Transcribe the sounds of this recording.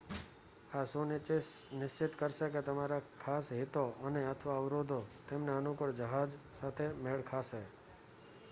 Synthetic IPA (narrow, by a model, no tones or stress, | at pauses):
asonnɪʃt͡ʃɪt̪kəɾʃeket̪əmaɾakʰasɦit̪oʔəneət̪ʰʋaəʋɾod̪ʱot̪emneənukəɾd͡ʒəɦad͡ʒ | sat̪ʰemeɭkʰaʃe